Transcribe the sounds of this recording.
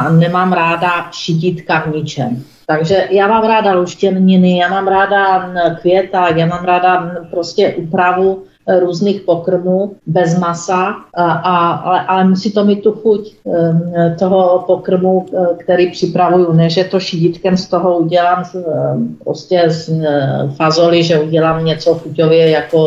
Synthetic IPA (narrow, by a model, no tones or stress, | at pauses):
nɛmaːmɾaːdaʃɪɟit̪kavɲɪt͡ʃɛm | t̪aɡʒɛjaːmaːmɾaːdaluʃcɛnɲɪnɪjaːmaːmɾaːdakvjɛt̪ajaːmaːmɾaːdapɾoscɛʔupɾavu | ɾuːznixpokr̩muːbɛzmasaʔaalɛʔalɛmusiːt̪omiːt̪̚t̪ːuxuc | t̪oɦopokr̩mukt̪ɛɾiːpr̥ɪpɾavujunɛʒɛt̪oʃiɟɪt̪kɛmst̪oɦouɟɛlaːm | pɾo̰scɛ | fazolɪʒɛuɟɛlaːmɲɛt͡sofxucovjɛjako